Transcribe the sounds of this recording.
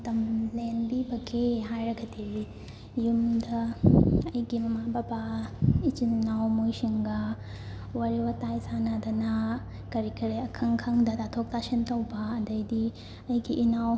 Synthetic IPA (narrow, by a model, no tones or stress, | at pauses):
t̪ɐmleːnbibɐkeɦaːjɾɐɡʰʱɐt̪iʋi | jumd̪ɐ | ɐjkimɐmaːbabait͡ʃinnawmujʃiŋɡa | wɐɾiwɐt̪aːjisaːnad̪ɐna | kɐɾikɐɾeɐkʰɐŋkʰɐŋd̪ɐt̪at̪ʰoːkt̪aʃint̪ɐwbaɐd̪ɐjd̪i | ɐjkiʔinaw